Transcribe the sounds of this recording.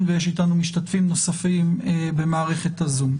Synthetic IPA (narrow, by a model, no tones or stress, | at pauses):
nvejeʃitanumiʃtatfimno̞safimebe̞maːʁe̞χe̞t̪azum